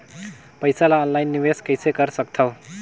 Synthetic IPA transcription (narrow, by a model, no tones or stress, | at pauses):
pʌjsalaːnlajnːiweskʌjseɡʌɾsʌk̚t̪ʰʌw